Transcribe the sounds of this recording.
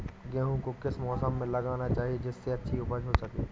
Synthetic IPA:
ɡɛ̃ːɦũkokɪsmɔːsəmːẽlɐɡaːnat͡ʃaːɦied͡ʒɪsːeɐtːʃʰiʊpəd͡ʒɦosɐkeː

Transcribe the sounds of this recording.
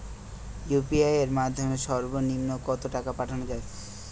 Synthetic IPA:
jupiajeɾmad̪ʱːomeʃɔɾbonimnokɔt̪oʈakapaʈʰanod͡ʑae

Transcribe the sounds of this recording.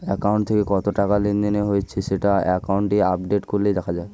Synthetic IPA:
ɛkawɳʈt̪ʰekekɔt̪oʈakalind̪ineɦojt͡ɕʰiseʈaɛkawɳʈiap̚ɖeʈkoled̪ɛkʰad͡ʑae

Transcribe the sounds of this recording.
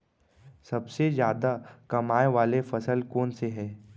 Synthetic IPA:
sɐbsezjaːd̪akɐmaːjeʋaːlefɐsəlkɔːnseɦɛ̃ː

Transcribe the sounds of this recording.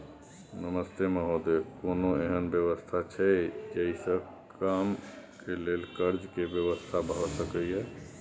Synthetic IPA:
nəməst̪eməɦod̪ekonoeɦənbjəʋəst̪ʰat͡ʃʰɛd͡ʒəisə̃ | kamkelelkəɾd͡ʒkebjəbəst̪ʰabɾɔsəkəiɦɛ

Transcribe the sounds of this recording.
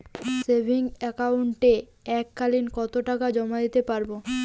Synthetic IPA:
sebʱiŋɛkauɳʈe | ɛkːalinkɔt̪oʈakad͡ʑɔmad̪it̪epaɾbo

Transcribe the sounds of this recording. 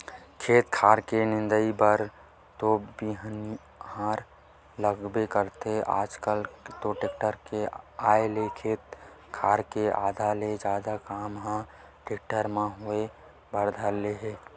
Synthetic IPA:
kʰeːt̪kʰaːɾkenɪ̃nd̪əibəɾ | t̪obiɦən | haːɾ | ləɡbekəɾt̪eʔa̰ːd͡ʒkəlt̪oʈek̚ʈəɾkeaːelekʰeːt̪ | kʰaːɾkeʔaːd̪ʱaːled͡ʒjaːd̪akaːmɦã | ʈek̚ʈəɾmẽɦʊe | bəɾd̪ʱaleɦeː

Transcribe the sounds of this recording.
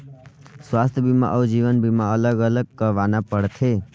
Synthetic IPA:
swast̪ʰjəbʱima̰ʔɔːd͡ʒiʋənbʱimaələɡələɡ̚kəɾʋanapəɽt̪ʰe

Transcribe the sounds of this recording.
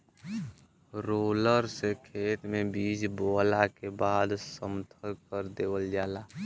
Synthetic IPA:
ɾoːləɾsekʰeːt̪mẽbiːd͡ʒboːlakebaːd̪səmt̪ʰəkəɾd̪eːwəld͡ʒaːlaː

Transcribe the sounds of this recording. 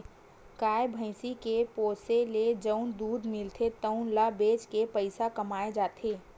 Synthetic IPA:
kaːebʱə̃ɪsikepoːseled͡ʒəʊnd̪uːd̪mɪlt̪ʰet̪əʊ̃nlabeːd͡ʒkepəɪsakəmaːed͡ʒaːt̪ʰeː

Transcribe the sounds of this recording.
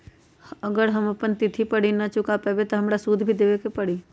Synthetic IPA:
ɐɡəɾɦɐmɐpənt̪ɪt̪ʰipɐɽ̤inɐt͡ʃʊkapɐbet̪oɦɐmɾasuːd̪ʱbʱid̪eːʋekepɐɽ̤i

